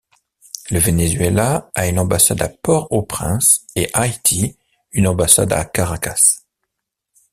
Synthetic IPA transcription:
ləvenezɥelaaynɑ̃basa̰d̪apɔʁopχɛ̰̃seʔajt̪ʰi | ynɑ̃basa̰d̪a̰kaʁakas

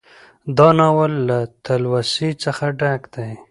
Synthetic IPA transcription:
d̪ɑnawəlːat̪alwasit͡səxaɖakd̪̥aj

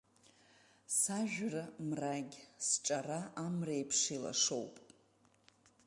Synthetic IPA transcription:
saʒᶣramraɡʲsʈ͡ʂʼaraʔamrejpʰʂila̰ʂowpʼ

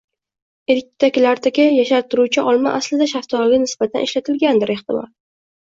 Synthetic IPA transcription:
eɾkʲːt̪ʰakʲlaɾt̪ʰakʲɪjaʃaɾt̪ʰːʊɾuwt͡ʃʰɪʔɒlˠma̰ʔaslɪd̪aʃaft̪ʰɒlɡʲɪnɪsb̥at̪ʰanʔɪ̰ʃlat̪ʰɪlɡʲand̪ɪɾe̞ht̪ɪmɒ̰l

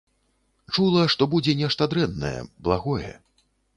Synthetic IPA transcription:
t͡ʂulˠɐʂt̪ɔbud͡zʲɛnʲɛʂt̪ɐd̪ɾɛnːɐ̰jɛ̰blˠaɣɔjɛ̰

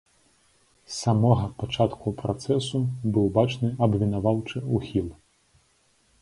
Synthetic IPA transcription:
samɔɣɐpat͡ʂat̪kupɾat̪sɛsubɨwbat͡ʂnɨɐbvʲinavawt͡ʂɨuxʲilˠ

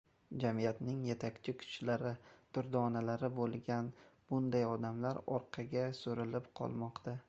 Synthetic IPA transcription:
d͡ʒamijat̪nɪŋje̞t̪ʰakʲt͡ʃʰɪkʰʊ̥t͡ʃlaɾɪt̪ʊɾd̪ɒnalaɾɪbolˠɡʲanb̥ʊnd̪ajɒd̪amlaɾɒɾqʰɑɡʲasoɾɪlɪpqʰɒ̰lˠmɒqt̪ʰa

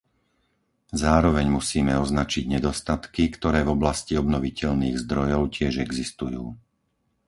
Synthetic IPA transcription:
zaːɾɔʋɛɲmusiːmɛɔznat͡ʃiɟɲɛd̪ɔst̪at̪kikt̪ɔɾɛːvɔblasciɔbnɔʋicɛʎniːɣzd̪ɾɔjɔʊcɪɛʒɛɡzist̪ujṵː

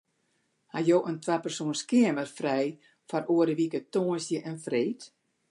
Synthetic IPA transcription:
hajoːʔəntwapərsoənskɪəmərfrɛj | faɾoəɾəʋikətoːənsjəʔɛnfreːt

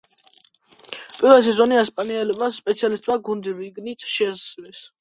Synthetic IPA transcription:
pʼiɾɛs̬izɔniaspʼaniɛlɛbaspʼɛt̪sialist̪ʼmaɡund̪iɾiɡnit̪ʰʃɛzlɛs

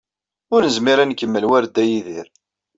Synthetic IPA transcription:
ʊɾnəzmiɾankːəmːəlwæɾd̪ːæjiðiɾ

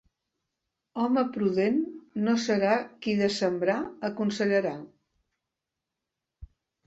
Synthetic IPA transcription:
ɔməpɾuðenːosəɾakiðəsəmbɾaəkunsəʎəɾa

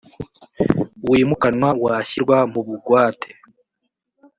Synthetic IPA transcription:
wiːmukanwawaːçiɾɡwamuβuɡwaːtʰe

